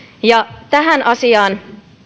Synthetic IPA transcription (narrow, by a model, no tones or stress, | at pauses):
jɑt̪æɦænʔɑsiɑːn